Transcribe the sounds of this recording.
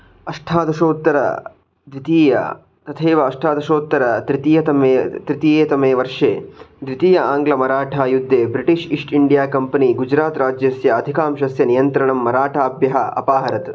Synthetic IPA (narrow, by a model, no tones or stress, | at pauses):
ɐʂʈʰaːd̪ɐʃoːt̪ːɐɾɐ̰ | d̪ʋit̪iːjɐ̰ | t̪ɐt̪ʰeːʋɐːʂʈʰaːd̪ɐʃoːt̪ːɐɾɐɾit̪ijɐt̪ɐmet̪ɾit̪ijeːt̪ɐmeːʋɐɾʂeːd̪ʋit̪iːjɐaːŋɡlɐmɐɾaːʈʰaːjud̪ʱːeːbɾiʈiʂiʂʈiɳɖijaːkɐmpɐniɡud͡ʒɾaːt̪ɾaːd͡ʒjɐsjɐːd̪ʱikaːmʃɐsjɐnijɐnt̪ɾɐɳɐmːɐɾaːʈʰaːbjɐɦɐɐ̰paːɦɐɾɐt̪